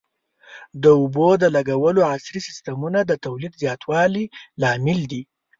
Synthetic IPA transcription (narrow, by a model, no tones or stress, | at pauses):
d̪əʊbod̪əlaɡawəloasɾisɪst̪amunad̪ət̪awlid̪zjɑt̪ʰwɑlilɑmɪld̪i